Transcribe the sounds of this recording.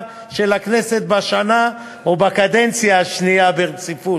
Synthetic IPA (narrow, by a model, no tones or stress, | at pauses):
ʃe̞lakne̞se̞t̪̚baʃana | obakad̪ent͡sjaːʃniabeʁt͡sifu